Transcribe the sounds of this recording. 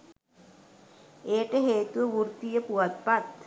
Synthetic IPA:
ejʈəɦeːt̪uʋəʋurt̪ijəpuʋat̪̚pat̪̚

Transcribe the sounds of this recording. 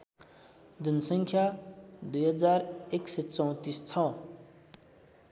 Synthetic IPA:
d̪ʌnsʌŋkʰjad̪ujɦʌd͡zareksʌt͡sʌw̃t̪ist͡sʰʌ

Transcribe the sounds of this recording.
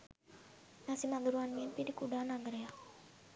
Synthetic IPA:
nasimad̪uɾuanminpidikuɖanaɡɾea

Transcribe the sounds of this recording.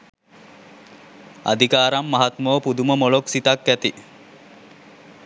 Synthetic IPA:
a̰d̪ʱikaːɾamːaɦat̪məʋəpud̪uməmoloksit̪akːæt̪i

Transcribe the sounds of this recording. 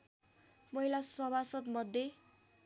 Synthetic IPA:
mʌɦilasʌbʱasʌt̪mʌd̪ʱːje

